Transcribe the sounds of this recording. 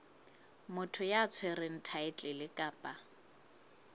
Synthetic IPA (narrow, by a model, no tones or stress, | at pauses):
mʊtʰʊjat͡sʰwɛrɪŋ̩tʰaɪt͡ɬʼɪlɪkʼaːpʼa